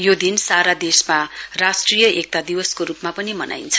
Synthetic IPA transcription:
jod̪insaɾad̪esmarasʈrijʌʔek̚t̪ad̪iwʌskoɾupmapʌnimʌna̰jnt͡sʰʌ̥

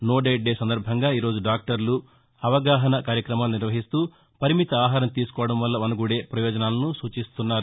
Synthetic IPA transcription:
no̞ːɖeːɖeːsɐnd̪ɐɾbʱɐŋɡaːiːɾo̞ːd͡ʒuɖaːk̚ʈɐɾlu | ɐʋɐɡaːɦɐnɐkaːɾjɐkɾɐmaːluniɾʋɐɦist̪uː | pɐɾimit̪ɐaːɦaːɾɐmt̪iːsu̥kɔːʋɐɽɐmʋɐlːɐʋɐnuɡuːɽe̞ːpɾɐjɔːd͡ʒɐnaːlɐnusuːt͡ʃist̪unːaːɾu

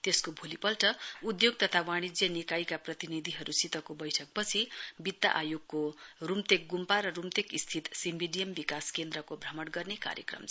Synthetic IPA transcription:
t̪eskobʱulipʌlʈʌud̪joɡ̚t̪ʌt̪ʰawaɽ̃id͡zjʌnikajkaprʌt̪inid̪ʱiɦʌɾusit̪ʌkobʌjʈʰʌk̚pʌt͡sʰibid̪ːa̰ʔajoɡ̚korumt̪ek̚ɡumpaɾʌrumt̪ekist̪ʰit̪simbiɖijʌmbikaskend̪ɾʌkobʱrʌmʌɽɡʌrneka̰ɾjʌ̰krʌ̰m

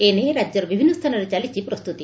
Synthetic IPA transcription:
eneɾad͡ʒjɔɾɔbibʱinːɔst̪ʰanɔɾet͡ʃalit͡ʃʰipɾɔst̪ut̪i

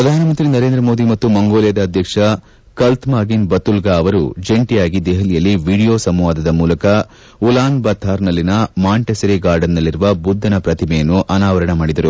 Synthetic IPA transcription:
pɾɐd̪ʱaːnɐmɐnt̪ɾinɐɾeːnd̪ɾɐmo̞ːd̪imɐt̪ːumɐŋɡoːlijɐd̪ɐːd̪ʱjɐkʂɐ | kɐlt̪maːɡinbɐt̪ulɡaːʋɐɾud͡ʒeɳʈijaːɡid̪eɦɐlijɐlːiʋiːɽijoːsɐmʋaːd̪ɐd̪ɐmuːlɐkɐ | ulaːnbɐt̪ʰːaːɾnɐlːinɐmaːɳʈesɐɾiɡaːɾɖɐnːɐlːiɾuʋɐbud̪ʱːɐnɐpɾɐt̪imɛjɐnːuʔɐnaːʋɐɾɐɳɐmaːɽid̪ɐɾu

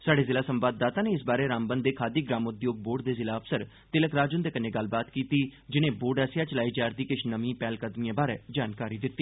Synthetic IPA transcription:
saːɖeːzɪlaːsəmbaːd̪ːaːt̪aːneːɪsbaːɾeːɾaːmbənd̪eːkʰaːd̪iːɡɾaːmʊd̪joːɡ̚boːɖd̪eːzɪlaːəpʰsəɾ | t̪ɪləkɾaːd͡ʒʊnd̪eːkənːeːɡəl̤baːt̪kiːt̪iːd͡ʒɪnẽːboːɖəsɪjaːt͡ʃəlaːiːd͡ʒaːɾd̪iːkɪt͡ʃʰnəmĩːpɛːlkəd̪mijãːbaːɾeːd͡ʒaːnkaːɾiːd̪ɪt̪ːiː

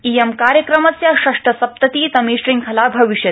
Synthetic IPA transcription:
ijemkaːɾjəkɾɐmɐt͡sjaɕɐʂʈɐsɐp̚t̪ɐt̪iːt̪ɐmiːɕɾiŋkʰɐlaːbʱɐʋiʂjɐ

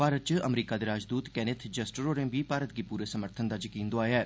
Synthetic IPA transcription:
paːɾət̪̚t͡ʃəʔəmɾiːkaːd̪eɾaːd͡ʒd̪uːt̪kɛːnet̪ʰd͡ʒɐsʈəɾoːɾẽːbʱipaːɾət̪̚ɡipuːɾesəməɾt̪ʰənd̪aːd͡ʒəkiːnd̪ʊaːjɛː

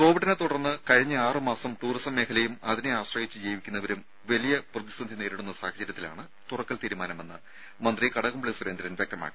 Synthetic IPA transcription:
ko̞ːʋiʈːɐnet̪uɽɐrnːɨkɐɻiɲːɨaːrɨmaːsɐmʈuːrisɐmːeːkʰɐlɐjumɐðineaːɕrɐjit͡ɕːɨd͡ʑejʋikʲːunːɐʋɐɾum | ʋɐlijɐprɐðist̪ɐnd̪ʱineːɾiɽunːɐsaːhɐd͡ʑɐɾjɐt̪ːila̰ːɳɨ | t̪urɐkːɐlt̪iːɾumaːnɐme̞nːɨ | mɐnd̪rikɐɽɐɣumbɭiswuɾend̪ɐɾɐnʋjek̚t̪ɐma̰ːkːi

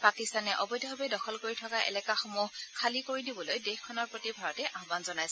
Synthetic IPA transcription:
pakistanɛʔɔbɔjdɔɦɔbɛdɔxɔlkoɹitʰɔkaʔɛ̰lɛkaxumuɦkʰalikoɹidibɔlojdexkʰːɔnɔɹpɹotibʱaɹɔtɛʔʔaɦbanzɔnajsɛ

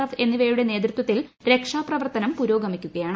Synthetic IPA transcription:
ɐfe̞nːiʋeːɾuɽe̞ne̞ːt̪rɐt̪wɐt̪ːilɾe̞kʂaːprɐʋɐrt̪ɐnɐmpuɾo̞ːɡɐmikʲːuɣɐjaːɳ

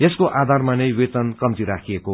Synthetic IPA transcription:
jeskoʔad̪ʱarmanʌjwet̪ʌnkʌmt̪iɾakʰijeko

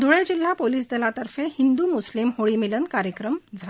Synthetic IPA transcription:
d̪oɭed͡ʑilːapoliːs̬d̪elat̪əɾfehind̪umuslimhoɭiːmilənkaɾjəkɾəmd͡zʱa

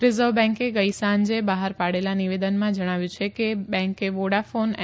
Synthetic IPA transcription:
ɾɪzəʋbɛ̃ŋkeɡəjsand͡ʒebaɦaɾpaɽelaniʋed̪ənmãd͡ʒəɽ̃aʋjũt͡ʃʰekebɛ̃ŋkeʋoɽafon

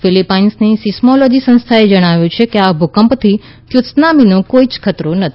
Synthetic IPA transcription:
filipainsnisɪsmolod͡ʒisə̃nst̪ʰaed͡ʒəɽ̃aʋjũt͡ʃʰekeabʱukəmpt̪ʰi | kjʊt̪snaminõkoit͡ʃkʰət̪ɾonət̪ʰ

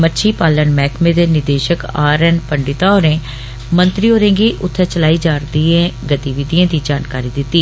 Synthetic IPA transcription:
mətːʃʰiːpaːlənmɛːkʰmẽːd̪eːnɪd̪eːʃəkaːɾɛːnpəɳɖɪt̪aːoɾẽː | mə̃nt̪ɾiːoːɾẽːɡiːʔʊt̪ʰːɛ̃ːt͡ʃəlaːiːd͡ʒaːɾd̪iːẽːɡət̪iʋɪd̪iːãːd̪iːd͡ʒaːnkaːɾiːd̪ɪt̪ːiː

